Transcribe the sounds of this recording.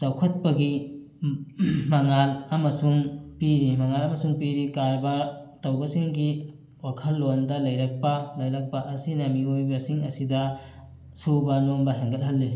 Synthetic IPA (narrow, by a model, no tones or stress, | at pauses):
t͡ʃawkʰɐt̚pɐɡi | mɐŋalɐmɐsuŋpiɾimɐŋalɐmɐsuŋpiɾikaɾbɐtɐwbɐsiŋɡi | wakʰɐlːondɐlɐjɾɐk̚pɐlɐjɾɐk̚pɐʔɐsinɐmiojbɐsiŋɐsidɐ | subɐnonbɐɦeŋɡɐlɦɐlːi